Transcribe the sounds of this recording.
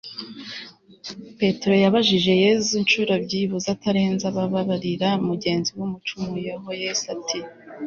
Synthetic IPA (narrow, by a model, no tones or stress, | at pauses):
pe̞teɾo̞jaβaʒiʒe̞je̞zuinʃuɾobɟiβuzataɾe̞ːnzaβaβaβaɾiɾaumuɟe̞ːnziwumut͡ʃumujeɦojesatʰi